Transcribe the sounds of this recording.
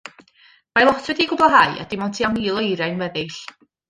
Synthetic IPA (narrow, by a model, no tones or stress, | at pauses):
majlˠɔtʰvɛdiɡʊblˠaɦaɨa̰d̥ɪmɔwntʰianiːlˠɔjɾajnvɛðɪɬ